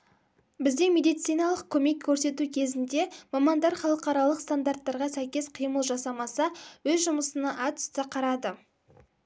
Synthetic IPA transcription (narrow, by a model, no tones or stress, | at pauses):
bɪzd̪e̞me̞d̪ijt̪sijnɑlˠəqkʲʰɵme̞kʲʰːɵɾse̞t̪ukʲʰe̞zɪnd̪e̞mɑmɑnd̪ɑɾχɑlˠəqɑɾɑlˠəqst̪and̪art̪ːɑɾʁɑsæjkʲe̞sqʰijməlˠʒɑsɑmɑsɑwɵzʒʊməsənɑʔɑt̪ʏ̥st̪ɪqʰɑɾɑd̪ə